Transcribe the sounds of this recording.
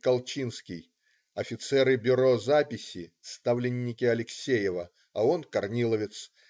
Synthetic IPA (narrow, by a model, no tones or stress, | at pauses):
kɐlˠt͡ɕinskʲɪj | ɐfʲɪt̪sɛɾɨbʲʊɾo̞zapʲɪsʲɪst̪avlʲɪnʲːɪkʲɪɐlʲɪksʲejɪvə | ɐo̞nkɐrnʲilˠəvʲɪt̪s